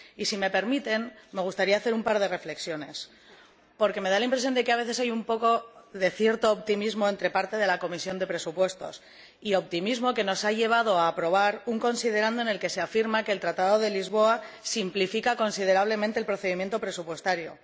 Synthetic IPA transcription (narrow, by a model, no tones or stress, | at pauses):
isime̞pe̞ɾmit̪e̞nme̞ɣust̪aɾiaːθe̞ɾumpaɾð̞e̞re̞fle̞ksjo̞ne̞s | po̞ɾke̞me̞ð̞alaimpɾe̞s̬jo̞nd̪e̞ke̞aβe̞θe̞sajumpo̞ko̞ðe̞θje̞ɾt̪o̞ːp̚t̪imizmo̞e̞nt̪ɾe̞paɾt̪e̞ðe̞lako̞misjo̞nd̪e̞pɾe̞supwe̞st̪o̞̰s | io̞p̚t̪imizmo̞ke̞no̞saʝe̞β̞að̞o̞aːpɾo̞β̞aɾuŋko̞nsið̞e̞ɾand̪oene̞lke̞se̞afiɾmake̞ːlt̪ɾat̪aðo̞ð̞e̞lizβ̞o̞asimplifikako̞nsið̞e̞ɾaβ̞le̞mẽnt̪eːlpɾo̞θe̞ðimje̞nt̪o̞pɾe̞supwe̞st̪aɾjo̰